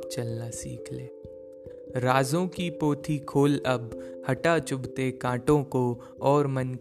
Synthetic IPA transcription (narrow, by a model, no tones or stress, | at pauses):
t͡ʃɐlnasḭːkʰleː | ɾaːzõkipoːt̪ʰikʰoːlɐbhɐʈat͡ʃʊbt̪ekãːʈõko | ɔːɾmɐn